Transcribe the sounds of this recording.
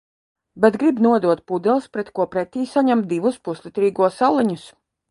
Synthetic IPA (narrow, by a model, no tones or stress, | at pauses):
bɛt̪ɡɾibnuɔd̪uɔt̪̚pud̪ɛlˠspɾɛt̪kuɔpɾɛt̪iːsaɲamt̪̚d̪iʋuspuslʲˠit̪ɾiːɡuɔsalˠiɲus